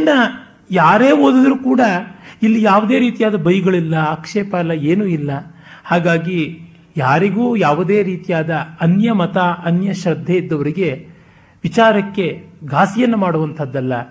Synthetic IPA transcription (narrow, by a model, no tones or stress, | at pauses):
ɐnːɐ | jaːɾe̞ːoːd̪ɐd̪ɾuːkuːɽɐilːijaːʋud̪e̞ːɾiːt̪ijaːd̪ɐbɐjɡɐɭilːɐakʂeːpɐlɐeːnuːilːɐhaːɡaːɡi | jaːɾiɡuːjaːʋud̪e̞ːɾiːt̪ijaːd̪ɐɐnjɐmɐt̪aʔɐnjɐʃɾɐd̪ʱːeid̪ːɐʋɐɾiɡe̞ | ʋit͡ʃaːɾɐkːe̞ɡaːsijɐnːɐmaːɽuʋɐnt̪ʰɐd̪ːɐlːɐ